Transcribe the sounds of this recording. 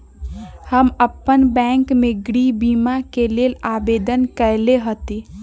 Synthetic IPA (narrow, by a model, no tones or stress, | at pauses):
həməpːənbɛ̃ŋkmeɡɽibimakelelabed̪ənkəjleɦət̪i